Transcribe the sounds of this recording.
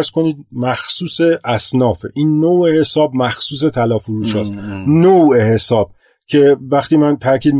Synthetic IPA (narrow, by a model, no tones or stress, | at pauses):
ɾz̥ko̞niːd̪̚mæxsuːse̞ʔæsnɒːfḛʔiːnːowehe̞sɒːbmæxsuːs̬e̞t̪ʰælɒːfoɾuːʃɒːst̪nowʔehe̞sɒːb̥̚ | cʰe̞væxt̪iːmænt̪ʰæɾcʰiːd̪m